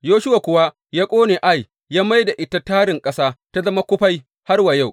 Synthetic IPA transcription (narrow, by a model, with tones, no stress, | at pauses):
joː˦ʃʊ˦wa˨kʷʊ˨wa˦ | jaː˦kʷʼoː˦neː˨ʔa˦˨j | jːaː˦ma˦jda˨ʔɪ˦ta˦taː˦ɽɪ˨ŋkʼɐ˦saː˦ta˦zɐ˦ma˦kʷʊ˦ɸa˦j | ha˦rwa˨ja˦˨w